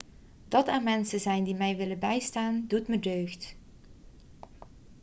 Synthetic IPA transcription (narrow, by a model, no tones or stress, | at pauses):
d̥ɑtaːnmɛnsəzɛjndimɛjʋɪləbɛjstaːndutmədøːxt